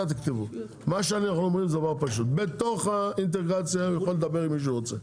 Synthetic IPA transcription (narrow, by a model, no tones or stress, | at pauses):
at̪akt̪ivu | maʃeaniaχanuɔmʁimzɛavapaʃ̬ut̪̚bet̪oχaint̪̬eɡʁat͡sjajaχold̪abeʁimiʃ̬ʁot͡se